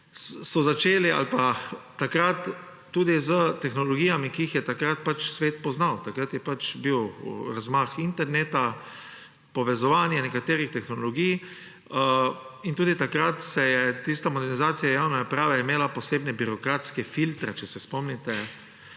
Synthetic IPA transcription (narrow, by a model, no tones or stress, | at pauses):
sɔzat͡ʃeːliʔa̰lpat̪akɾat̪ː | uːd̪izət̪ɛxnɔlɔɡijamikiixjɛt̪akɾat̪̚pat͡ʃsʋeːt̪pɔznawt̪akɾat̪jɛpat͡ʃbiwɾazmaxint̪ɛɾneːt̪a | pɔʋɛzɔʋaːnjanɛkat̪eːɾixt̪ɛxnɔlɔɡij | int̪uːd̪it̪akɾat̪sɛjɛt̪ist̪amɔd̪ɛɾnizaːt̪sijajaːwnanapɾaːʋaimeːlapɔseːbnɛbiɾɔkɾaːt̪skɛfilt̪ɾɛt͡ʃɛsɛspɔmnit̪ɛ